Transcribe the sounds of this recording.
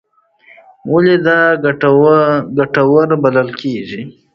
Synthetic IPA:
waled̪a | ɡaʈawaɾbad̪alkʰeʒi

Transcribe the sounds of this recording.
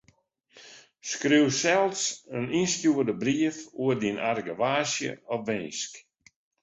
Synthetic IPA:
skrywsɛlˠsəninstjuərdəbriəfuədinʔarɡəʋaːsjə̰ɔfʋɪnsk

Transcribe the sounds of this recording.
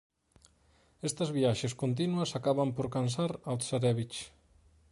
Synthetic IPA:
ɛst̪ɐzβiaʃeskont̪̬inuɐsakaβɐmpoɾkans̬aɾalsaɾɛβit͡ʃ

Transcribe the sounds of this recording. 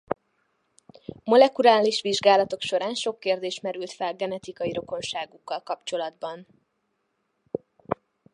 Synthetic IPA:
mo̞lɛkuɾaːliʃʋiʒɡaːlɒt̪o̞kʃo̞ɾaːnʃo̞kːeːrd̪eːʃmɛɾylt̪fɛlɡɛnɛt̪ikɒjiɾo̞ko̞nʃaːɡukːɒlkɒpt͡ʃo̞lɒd̪bɒn

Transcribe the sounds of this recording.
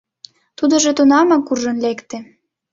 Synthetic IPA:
t̪ud̪ŏʒet̪unɑmɑkurʒə̆nlekt̪e

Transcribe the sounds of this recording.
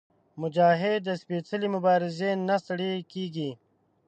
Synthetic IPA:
mʊd͡ʒaːɦed̪əspeːt͡səlimʊbaːɾɪzenɐsɐɽekiːɡi

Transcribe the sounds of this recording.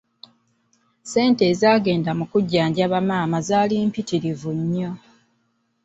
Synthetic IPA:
se̞ːnte̞ːzaːɡe̞ːndamukuɟːaːɲɟaβamaːmazaːliːmpitiɾivuɲːo̞

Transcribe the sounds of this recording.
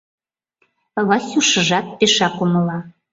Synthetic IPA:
βɑsʲuʃə̆ʒɑt̪̚peʃɑkuməlɑ

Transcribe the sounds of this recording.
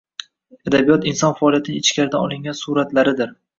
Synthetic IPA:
ad̪abijɒt̪ɪnsɒnfaɒlijat̪ʰɪnɪŋɪt͡ʃkʲaɾɪd̪anɒlˠɪŋɡʲansuɾat̪laɾɪd̪ɪɾ

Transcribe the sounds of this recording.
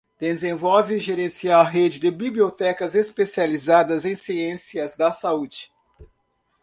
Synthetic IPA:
d̪̥ezẽvɔwvɪʒeɾẽsiawɦed͡ʒɪd̪ɪbibliot̪ɛkɐzespesializad̪ɐzẽj̃siẽsiɐzd̪ɐsaud͡ʒɪ̥

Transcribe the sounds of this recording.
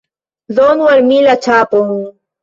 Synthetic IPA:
zoːnwɐɾmiːlɐt͡ɕʰaːpoũ

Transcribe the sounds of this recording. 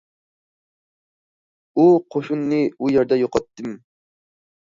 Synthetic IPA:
uqʰoʃunːɨujɛɾd̪ɛjoqʰɑt̪ʰːɨm

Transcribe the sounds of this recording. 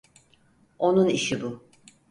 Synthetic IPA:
o̞nuniʃibu

